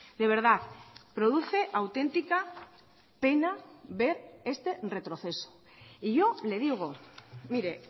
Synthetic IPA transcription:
d̪e̞β̞e̞ɾðaθpɾo̞ðuθe̞ʔawt̪e̞nt̪ika | pe̞naβe̞ɾe̞st̪e̞re̞t̪ɾo̞θe̞so̥ | iʝo̞le̞ð̞iɣ̞omiɾe̞

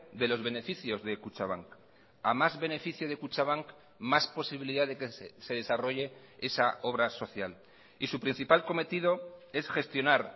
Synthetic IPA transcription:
d̪e̞lo̞zβe̞ne̞fiθjo̞zðe̞kut͡ʃaβ̞aŋk | amazβe̞ne̞fiθjoð̞e̞kut͡ʃaβaŋk | maspo̞siβiliðaðe̞kese̞ðe̞saro̞ʝe̞ | e̞sao̞β̞ɾaso̞θjal | isupɾin̟θipalko̞me̞t̪iðo̞e̞sxe̞st̪jo̞naɾ

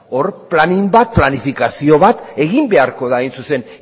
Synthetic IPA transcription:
o̞ɾplanimbat̪̚planifikasio̞βat̪e̞ɣimbe̞aɾko̞ðaejnsuse̞n

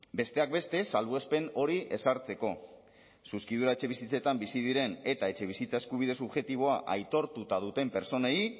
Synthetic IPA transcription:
be̞st̪e̞ak̚be̞st̪e̞salβue̞spe̞no̞ɾiʔe̞saɾt͡se̞ko̞ | suskið̞uɾae̞t͡ʃe̞βisit͡set̪ambisið̞iɾe̞ne̞t̪ae̞t͡ʃe̞β̞isit͡sae̞skuβ̞ið̞e̞suβʝe̞t̪iβ̞o̞aʔajt̪o̞ɾt̪ut̪að̞ut̪e̞mpe̞ɾt͡so̞ne̞i

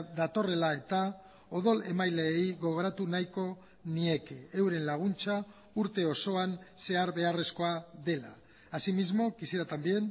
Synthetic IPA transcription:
ðat̪o̞re̞lae̞t̪a | o̞ðo̞le̞majle̞ːjɣo̞ɣ̞o̞ɾat̪unajko̞ | nie̞ke̞ewɾe̞nlaɣ̞unt͡ʃa | uɾt̪e̞o̞so̞anse̞aɾβe̞are̞sko̞aðe̞la̰ː | simizmo̞kisiɾat̪ambje̞n

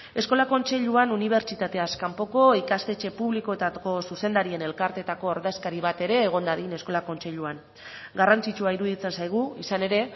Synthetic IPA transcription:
e̞sko̞lako̞nt͡se̞ʎuanuniβ̞e̞ɾt͡ʃit̪at̪e̞askampo̞ko̞ikast̪e̞t͡ʃe̞puβliko̞e̞t̪ako̞suse̞nd̪aɾie̞ne̞lkaɾt̪e̞t̪ako̞ːɾðe̞skaɾiβ̞at̪e̞ɾe̞ːɣ̞o̞nd̪aðine̞sko̞lako̞nt͡se̞ʎuan | ɡarant͡sit͡ʃuaiɾuðit͡se̞nsajɣ̞uisane̞ɾe̞

